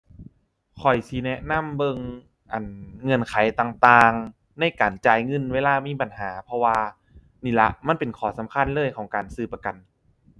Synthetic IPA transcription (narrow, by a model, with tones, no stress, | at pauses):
kʰɔ˨˩jsi˨˦nɛ˧ʔna˧˥˨mbɤ˧ŋ | ʔa˨˩nŋɤ˧˩˨nkʰa˨˩˦jt̪aː˧ŋt̪aː˧ŋ | na˧˩jkaː˨˩nt͡ɕaː˧jŋɤ˧˥˨nweː˧laː˧˩miː˧˥˨pa˨nhaː˩˦pʰɔ˧waː˧ | niː˧˩la̰˧˥ʔma˧˥˨npe˨˩nkʰɔː˨˩˦sa˨˩˦mkʰa˧˥˨nlɤː˧˥˨jkʰɔː˩˦ŋkaː˨˩nsɯː˧˩pa˧ka˨˩n